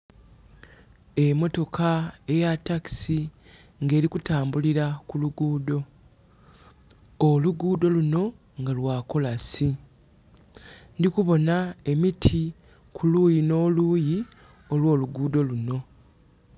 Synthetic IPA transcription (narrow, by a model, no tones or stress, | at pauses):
e̞mo̞to̞kʰae̞jatːaki̥si | ŋɡe̞ːɾikutaːmbuliɾakuluɡuːdo̞ | luɡuːdo̞luno̞ | ŋɡalwaːko̞lasi | ndikuβo̞nae̞mitʰi | kʰuluːjino̞ːluːji | o̞lwo̞ːluɡuːdo̞luno̞